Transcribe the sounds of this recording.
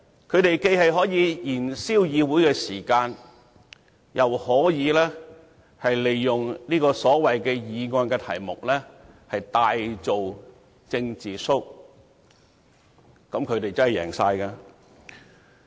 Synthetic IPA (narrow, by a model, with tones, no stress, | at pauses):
kʰɵ˨˧ɥɾe˨jke˧jhɐ˨jɦɔː˨˥jiː˨˧jiː˨˩nsiː˥wjiː˨˧wuː˨˥jkɛː˧siː˨˩kaː˧n | jʔɐ˨whɔː˨˥jiː˨˧lɛː˥ | hɐ˨jle˨jːʊ˨ŋniː˥kɔː˧sɔː˨˥wɐ˨jkɛː˧jiː˨˧ŋɔː˧nkɛ˧t̪ʰɐ̰˨˩jmʊ˨k̚lɛː˥hɐ˨jt̪aː˧jt͡so˨w | t͡sɪ˧ŋt͡siː˨sʊ˥k̚ | kɐ˨˥mkʰɵ˨˧t̪e˨jt͡sɐ˥hjɛ̰ː˨˩ŋsaː˧jkɐ˧